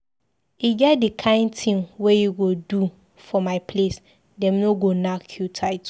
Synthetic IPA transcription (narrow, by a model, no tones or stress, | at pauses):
iɡɛdikʰãɪ̃ntʰĩŋwejiɡodu | fɔmaɪpʰles | dɛ̃mnoɡonakʰjutʰaɪt